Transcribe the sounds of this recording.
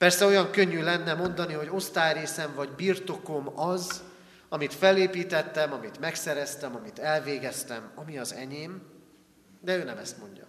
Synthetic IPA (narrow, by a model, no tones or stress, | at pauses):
pɛrsɛo̞jɒŋkø̞ɲːylɛnːɛmo̞nd̪ɒniɦo̞ɟo̞st̪aːjɾeːsɛɱvɒɟbirt̪o̞ko̞mɒz | ɒmit̪fɛleːpiːt̪ɛt̪ːɛmɒmit̪mɛksɛɾɛst̪ɛmɒmit̪ɛlveːɡɛst̪ɛmɒmiɒzɛ̰ɲeːm | d̪ɛøːnɛmɛst̪mo̞ɲɟɒ̰